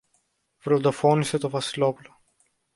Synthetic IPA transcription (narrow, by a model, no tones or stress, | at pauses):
vɾod̪ofoniset̪ovɐsilopulo